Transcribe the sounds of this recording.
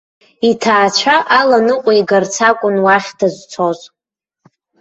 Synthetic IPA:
itʰaːt͡ʃʷʰaʔalanɨqʷʼaiɡart͡sʰakʷʼʊnwaχʲdazʷt͡sʰoz

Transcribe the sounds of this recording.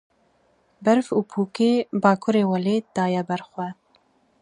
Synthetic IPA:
bɛɾfuːpʰuːkeːbɑːkʰuɾeːwɛleːd̪̥ɑːjɛbɛɾxʷwɛ

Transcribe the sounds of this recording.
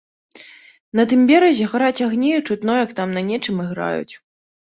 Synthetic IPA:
nɐt̪ɨmbʲɛɾɐzʲɛxaɾat͡sʲaɣnʲɛjut͡ʂut̪nɔjɐkt̪amnɐnʲɛt͡ʂɨmɨɣɾa̰jṵt͡sʲ

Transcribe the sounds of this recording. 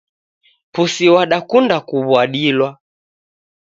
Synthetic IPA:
pusiwaɗakundakuβwaɗilwa

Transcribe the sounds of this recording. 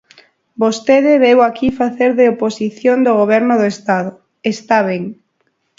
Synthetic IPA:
bost̪eðɪβewakifaθeɾðeoposiθjond̪oɣoβ̞ɛɾnʊðoest̪aðʊ | est̪aβ̞eŋ

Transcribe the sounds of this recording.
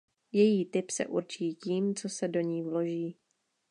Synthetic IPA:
jɛjiːt̪ɪpsɛ̰ʔuɾt͡ʃiːciːmt͡so̞sɛdo̞ɲiːvlo̞ʒiː

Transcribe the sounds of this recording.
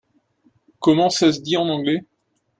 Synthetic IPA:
kɔmɑ̃sas̬əd̪iɑ̃nɑ̃ɡlɛ

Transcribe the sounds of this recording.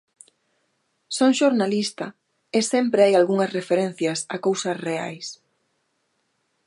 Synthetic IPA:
sõŋʃoɾnalist̪ɐ | ɪsɛmpɾeajalɣuŋɐsrefeɾen̟θjɐsakowsɐsrea̰js

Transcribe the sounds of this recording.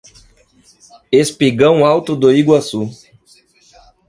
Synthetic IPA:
espiɡɐ̃w̃awt̪ʊd̪oiɡwasu

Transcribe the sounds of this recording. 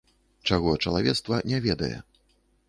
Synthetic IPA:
t͡ʂaɣɔt͡ʂɐlˠavʲɛt̪st̪vɐnʲɛvʲɛd̪ɐjɛ̰

